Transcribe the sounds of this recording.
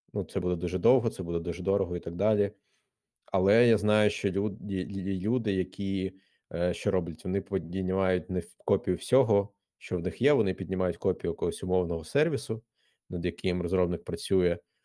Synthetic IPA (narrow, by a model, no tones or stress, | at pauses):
nut̪sɛbud̪ɛd̪uʒɛd̪ɔwɦɔt̪sɛbud̪ɛd̪uʒɛd̪ɔɾɔɦɔit̪ɐɡ̚d̪ɑlʲi | ɐlˠɛjaznɑjʊʃt͡ʃɔ | lʲud̪ɪjɐkʲʰi | ʃt͡ʃɔɾɔblʲɐtʲʋɔnɪpidʲnʲid̪ʲnʲɪmɑjʊt̚ʲnɛkɔpʲijʊwsʲɔɦɔ | ʃt͡ʃɔwnɪxjɛʋɔnɪpʲidʲnʲɪmɑjʊtʲkɔpʲijʊjɛkɔɦɔsʲʊmɔwnɔɦɔsɛrʋʲisʊ | nɐd̪jɐkɪmɾɔzɾɔbnɪk̚pɾɐt͡sʲujɛ